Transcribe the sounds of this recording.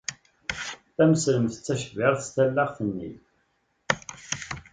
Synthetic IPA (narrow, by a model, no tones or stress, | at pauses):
θæməsləmθə̥t͡sːæʃəvɪʁθəst̪ælːaʁθənːḭ